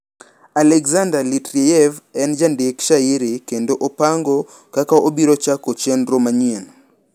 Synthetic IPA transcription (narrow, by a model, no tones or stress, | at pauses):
alɛkzandalitɾeɛvɛnd͡ʒandekʃaiɾikendoʔopaŋɡo | kakaʔobiɾot͡ʃakot͡ʃɛnɾomaɲien